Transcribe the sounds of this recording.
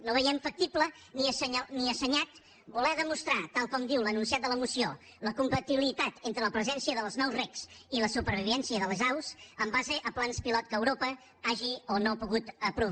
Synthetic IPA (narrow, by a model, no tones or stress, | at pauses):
noβəjɛmfək̚t̪iplə | niəsniəsəɲat̪ | bulɛðəmust̪ɾat̪alˠkɔmd̪iwlənuns̬iat̪d̪ələmusio | ləkumpət̪iβilit̪at̪ent̪ɾələpɾəzɛnsiəðəlˠznɔwzrɛksiləsupəɾβiβɛnsiəðəlˠzawsəmbazəʔəplanspilɔt̪kəwɾopə | aʒionopuɣut̪əpɾu